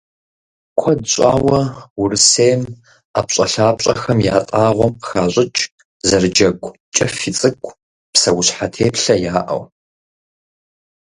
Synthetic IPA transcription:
kʷʰɐdɕʼa̰ːwɐwʊrɨsejm | aːpɕʼɐɬaːpɕʼɐxɐmjaːtʼaːʁʷɔmxaːɕʷʼɪt͡ʃʼ | zɐrɨd͡ʒɐɡʷʼ | t͡ʃʼɐfit͡sʼɨkʷʰʼ | psɐwʊɕħatʰeːpɬɐjaːʔɐ̰w

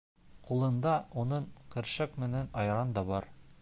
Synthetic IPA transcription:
qulˠɤ̆nd̪ɑunɤɴqɘ̆ɾʃækmɘ̆nænɒjɾɑnd̪ɒbɒɾ

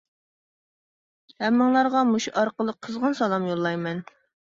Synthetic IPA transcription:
hɛmːɨŋlˠɑɾʁɑmuʃuʔɑɾqəlˠəqʰːəzʁɑnsɑlˠɑmjolˠːɑjmɛn

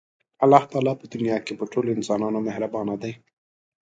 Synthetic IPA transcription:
alːɑːht̪ɑːlɑpəd̪ʊnijɑːkepəʈʰoloɪnsɑːnɑːnomehɾabɑːnad̪aj

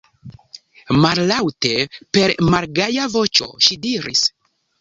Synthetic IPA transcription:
mallawte̞pe̞ɾmaɾɡajavo̞t͡ʃo̞̰ʃidiɾis

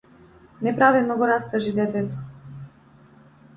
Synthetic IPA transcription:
nɛpɾavilˠnɔɡɔɾast̪aʒid̪ɛt̪ɛt̪ɔ̥

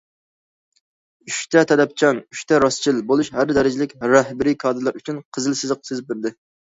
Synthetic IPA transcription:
yʃt̪ʰɛt̪ʰɛd̪ɛp̚t͡ʃʰɑnyʃt̪ʰɛɾɑst͡ʃʰilbolˠuʃhæɾd̪ɛɾɪd͡ʒɪlɪkʲɾɛhbɪɾikʰɑːd̪ɨlˠɑɾyt͡ʃʰynqʰəzɨlˠsɨzəqsezɪp̚beɾd̪ɪ

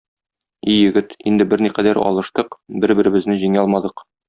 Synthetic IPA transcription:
ijɘ̆ɡɘt̪ind̪ɘbɘɾniqæd̪æɾɒ̰lˠɤ̆ʃt̪ɤqbɘɾbɘ̆ɾɘ̆bɘ̆znɘʑiŋɒlˠmɑd̪ɤq

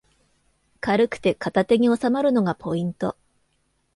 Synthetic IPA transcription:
kaɾɯ̟kɯ̟̥t̪e̞kat̪at̪e̞ɲ̟io̞samaɾɯ̟no̞ɡapʰo̞ĩnt̪o̞̰

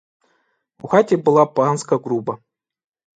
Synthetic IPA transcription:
ṵxatʲebɨlˠapanskɐɡɾubɐ

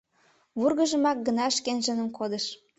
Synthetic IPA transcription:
βurɣəʒə̆mɑk̚ɡənɑʃkenʒənəmkod̪əʃ

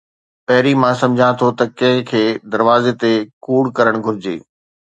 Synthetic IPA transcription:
pɐɦɪɾimãːsɐ̃md͡ʑʱãt̪ʰot̪ɐkɐ̃ɦɪ̃kʰeːd̪ɐɾʋaːzet̪ekuːɽkɐɾəɽ̃ɡʱʊɾɪd͡ʑḛː

